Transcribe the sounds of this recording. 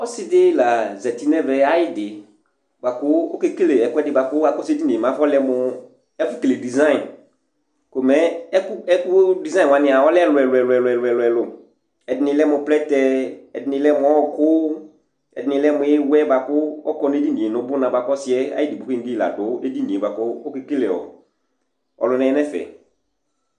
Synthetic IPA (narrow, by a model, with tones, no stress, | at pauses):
ɔ˦sɪ˦dɪ˦la˨zɛ˨ti˦nɛ˦vɛ˨a˦jɪ˦dɪ˨ | ba˨kʊ˦o˦ke˦ke˦le˨ɛ˨kʊ˦ɛ˦dɪ˨ba˨kʊ˦a˦kɔ˦se˦di˦ni˨mã˨˦fɔ˦lɛ˦mʊ˨ | ɛ˦fʊ˦ke˨le˨di˨zã˦ɪ̃˨n | ko˨mɛ˨˦ɛ˦kʊ˦ɛ˦kʊ˦di˨zã˦˨wa˨˦nɪ̃˦˨a˨ɔ˦lɛ˦˨lʊ˨ɛ˨lʊ˨ɛ˨lɛ˨lʊ˨ɛ˨lʊ˨ɛ˨lʊ˨ɛ˨lʊ˨ | ɛ˨dɪ˨nɪ̃˨˧˦lɛ˦mʊ˨plɛ˦tɛ˦ɛ̰˨dɪ˨nɪ̃˨˦lɛ˦mʊ˨˦ɔ˦˨kʊ˦ | ɛ̰˨dɪ˨nɪ̃˨lɛ˦mʊ̃˨˦ɪ˦wɛ˦ba˨kʊ˦ɔ˦kɔ˦n˦e˦di˦nĩ˨e˨nʊ̃˦bʊ˦nã˨ba˨kɔ˦sɪ˨˦ɛ˦a̰˦ɪ˦di˨bʊ˨˦kɪ˦ŋ̩˦ɡi˦˨la̰˨dʊ˨˦e˦di˦nĩ˨e˨ba˨kɔ˦ʊ˦kɪ˦k͡pi˦lɛ˨ɔ̰˨ | ɔ̰˨lʊ˨˦nɛ˦ɛ˦nɛ˦fɛ̰˨